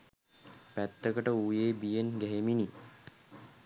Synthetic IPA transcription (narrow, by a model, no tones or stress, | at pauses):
pæt̪ːəkəʈəujeːbijenɡæɦemini